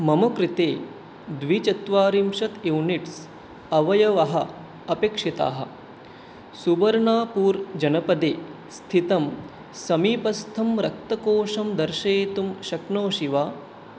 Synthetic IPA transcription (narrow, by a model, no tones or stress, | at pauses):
mɐmɐkɾit̪eː | d̪ʋit͡ʃɐt̪ʋaːɾimʃɐt̪ewniʈs | ɐʋɐjɐʋɐɦɐ | ɐpeːkʂit̪a̰ːɦɐ̰̆ | suʋɐɾɳaːpuːɾd͡ʒɐnɐpɐd̪eː | st̪ʰit̪ɐm | sɐmiːpɐst̪ʰɐmɾɐk̚t̪ɐkoːʂɐmd̪ɐɾʃeːt̪umʃɐknoːʃiʋaː